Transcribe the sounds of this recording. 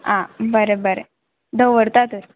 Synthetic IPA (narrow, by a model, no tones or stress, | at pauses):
ãbəɾebəɾḛ | d̪əwʋəɾt̪at̪əɾ